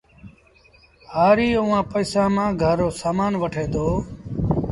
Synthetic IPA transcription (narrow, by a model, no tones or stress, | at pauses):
haːɾiːʊʋãːpəːsãːmãːɡʱəɾoːsaːmaːnʋəʈʰeːd̪oː